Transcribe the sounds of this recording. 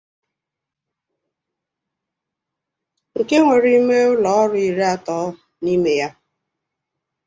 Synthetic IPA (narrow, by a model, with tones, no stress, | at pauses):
ŋ̩˨ke˦ŋʷe˨ɾi˦i˦me˦ʊ˦lɔ˨˦ɔ˦ɾʊ˦i˨ɾe˦a˨tɔː˦ | ni˦me˦ja˦